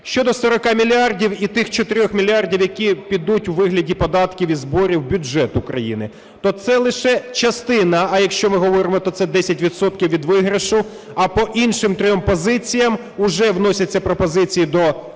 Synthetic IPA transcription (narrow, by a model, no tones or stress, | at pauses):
ʃt͡ʃɔd̪ɔsɔɾɔkɑmʲilʲiardʲiwit̪ɪxt͡ʃɔt̪ɪɾʲɔxmʲilʲɑrdʲiwjɐkʲipʲid̪utʲuwʋɪɦlʲɐdʲipɔd̪ɑt̪kʲiwizbɔɾʲiwbʲʊd͡ʒɛt̪ʊkɾɐjḭnɪ | t̪ɔt̪sɛlˠɪʃɛt͡ʃɐst̪ɪnɐːjɐkʃt͡ʃɔmɪɦɔʋɔɾɪmɔt̪ɔt̪sɛd̪ɛsʲɐtʲʋʲit̪sɔt̪̚kʲiwʋʲid̪ʋɪɦɾeʃʊ | ɐpɔʔinʃɪmt̪ɾɔjɔmpɔzɪt͡sʲijɐm | ʊʒɛwnɔsʲɐt͡sʲːɐpɾɔpɔzɪt͡sʲijid̪ɔ